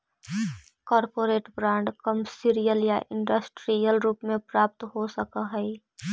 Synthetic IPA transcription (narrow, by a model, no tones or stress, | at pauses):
kɔːɾpoːɾeːʈbɾãːɳɖkəmsiɾijəljaʔɪ̃ɳɖəsʈɾijəlɾuːpmẽpɾaːp̚t̪ɦosəkəɦɛi